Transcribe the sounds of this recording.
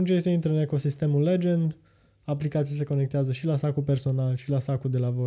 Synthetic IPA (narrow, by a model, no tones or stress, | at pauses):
unt͡ʃejeseint̪ɾəɨne̞ko̞sist̪e̞mulːe̞d͡ʒe̞nd̪ | aplikat̪sijase̞ko̞ne̞k̚t̪eazəʃilasakulpe̞rso̞nalʃilasakuld̪e̞lavo